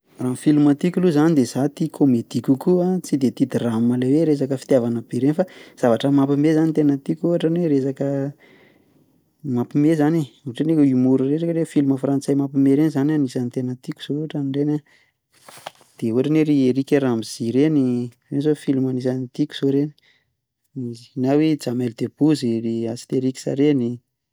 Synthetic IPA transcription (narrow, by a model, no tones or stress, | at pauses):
ranfilumat̪ikʲuluzanid̪ez̥at̪ikʰomed̪ikukuat͡sid̪et̪id̪irammaleweɾes̬akəfi̥t̪javanəb̥eɾenifaz̥avaʈ͡ʂəmapimezanit̪enət̪ikʲuɦaʈ͡ʂanweɾes̬akə | mapimezaniuʈ͡ʂenekimuɾureʈ͡ʂakəɾefiluməfrant͡sajmapimeɾenzananisanit̪enət̪ikʲuz̥ouʈ͡ʂaniɖ͡ʐena | d̪̥euaʈ͡ʂanweɾieɾikʲeɾamiz̥iɾenirenzofilumanisanit̪ikʲu̥z̥oɾeni | ninawed͡zameld̪̥eb̥uziriasi̥t̪eɾikʲi̥sa̰ɾeni